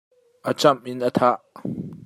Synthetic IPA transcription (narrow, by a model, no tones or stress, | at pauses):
ʔət͡sɐmʔɪnʔɐt̪ʰaʔ